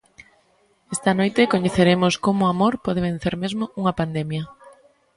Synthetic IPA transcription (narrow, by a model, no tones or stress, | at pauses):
est̪ɐnojt̪ɪkoɲeθeɾemʊskomʊamoɾpɔðeβ̞en̟θeɾmezmouŋɐpand̪emjɐ